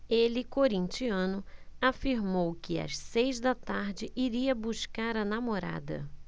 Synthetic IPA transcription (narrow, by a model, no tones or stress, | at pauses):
elɪkoɾĩnt͡ʃiɐ̃nʊafiɾmowkɪɐ̰ʃsejzd̪ɐt̪aɾd͡ʒɪʔiɾiɐbuʃkaɾɐnamoɾa̰d̪ɐ̰